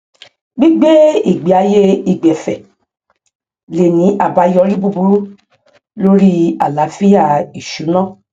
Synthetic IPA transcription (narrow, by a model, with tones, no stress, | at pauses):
ɡ͡bi˦ɡ͡be˦i˦˨ɡ͡bi˨˦a˨˧˦je˦i˨ɡ͡bɛ˨fɛ˨ | le˨nĩ˨˦ʔa˦˨ba˨˧jɔ˧˦ɾi˦bu˦bu˦ɾu˦ | lo˦ɾi˦a˨la˨˦fi˦ja˦˨i˨ʃu˨˦nã˦˨